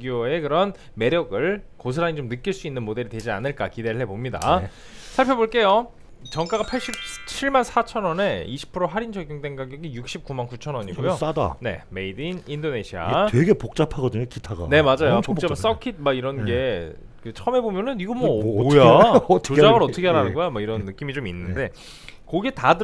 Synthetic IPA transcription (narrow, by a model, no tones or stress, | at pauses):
ɡioe̞kɯɾʌn | me̞ɾjʌɡɯɭkos̬ʰɯɾaɲit͡ɕomnɯk͈iɭs͈uinːɯnmode̞ɾitwe̞d͡ʑia̰nɯɭk͈akideɾɯɭɦebomɲida̰ | sʰaɭpʰjʌboɭk͈e̞jo | t͡ɕʌŋk͈aɡapʰaɭɕ͈ip̚t͡ɕʰiɭmansʰat͡ɕʰʌnʌne̞iɕʰi̥pʰɯɾoɦaɾind͡ʑʰʌɡjuŋdeŋɡaɡjʌɡijuk̚ɕ͈ip̚kumankut͡ɕʰʌnʌɲiɡojos͈ada̰ne̞̰meidinindoneɕʰia̰tweɡepok̚t͡ɕ͈apʰaɡʌdɯɲokitʰaɡa̰ne̞mad͡ʑajopokt͡ɕ͈apʰs͈ʌkʰit̚maiɾʌnɡe̞ | kɯt͡ɕʰʌɯme̞bomjʌnɯniɡʌmwʌojat͡ɕod͡ʑaɡɯɾʌtʰɯkʰeaɭɦanɯnɡʌjamwʌiɾʌnːɯk͈imit͡ɕominːɯnde̞ | kʌɡetad